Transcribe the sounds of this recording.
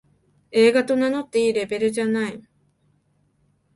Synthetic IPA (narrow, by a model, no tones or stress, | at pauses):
eːɡat̪onanot̪iːɾebeɾed͡ʒanai